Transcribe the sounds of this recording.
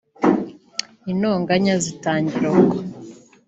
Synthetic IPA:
inoːŋɡaɲazitaːɲɟiɾako

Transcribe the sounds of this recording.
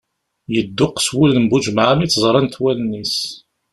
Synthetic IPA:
jəd̪ːʊqːswulnəmbud͡ʒmʕamit͡sːzˤɾˤɑnt̪wælnːis

